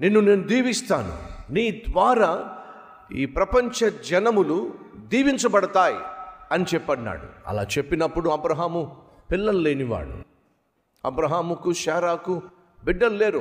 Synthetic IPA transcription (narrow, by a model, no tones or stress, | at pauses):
nenːune̞ːnud̪iːʋist̪aːnṵniːd̪ʋaːɾaː | ḭːpɾɐpɐɲt͡ʃɐd͡ʒɐnɐmulud̪iːʋiɲt͡ʃɐbɐɽɐt̪aːjḭɐnit͡ʃɛpːɐɳːa̰ːɽṵɐ̰la̰ːt͡ʃe̞pːinɐpːuɽuɐbɾɐɦaːmu | pilːɐluleːniʋa̰ːɭṵ | ɐ̰bɾɐɦaːmukuʃaːɾaːku | biɖːɐlleːɾu